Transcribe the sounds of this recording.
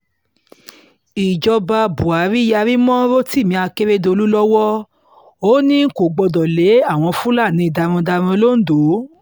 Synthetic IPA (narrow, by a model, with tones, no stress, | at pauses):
i˨d͡ʒɔ˧ba˧bu˨a˨˦ɾi˦ja˧ɾi˦mɔ̃˦ɾo˦ti˦˨mĩ˧a˧ke˦ɾe˦do˧lu˦lɔ˦wɔ˦ | o˦nĩ˦ko˨ɡ͡bɔ˧dɔ˨le˨˦a˦˨w̃ɔ̃˧fũ˦la˦˨nĩ˨˧i˧˨da˧ɾ̃ɔ̃˧da˧ɾ̃ɔ̃˧lo˦n̩˦do˨˦